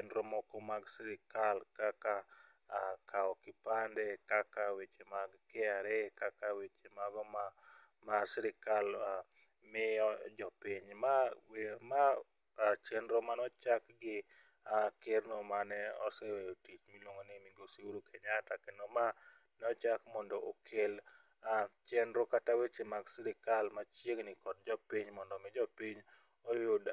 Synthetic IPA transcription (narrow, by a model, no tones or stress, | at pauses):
t͡ʃendɾɔmɔkɔmaɡsɪɾɪkalkaka | kʰaɔkɪpandɛkakawet͡ʃemaɡkɪaɾekakawet͡ʃemaɡɔma | masɪɾɪkala | mɪɔd͡ʒɔpiɲmawma | t͡ʃendɾomanɔt͡ʃakɡɪ | akɪɾnomanɛɔsɛwejotit͡ʃmilwoŋonimiɡosiwuɾukʰeɲatakenoma | nɛɔt͡ʃakmɔndɔʔokʰel | at͡ʃɛndɾokatawet͡ʃemaɡsiɾɪkalmat͡ʃjeŋnɪkɔd̚d͡ʒɔpiɲmɔndɔmɪd͡ʒɔpiɲ | ɔjʊd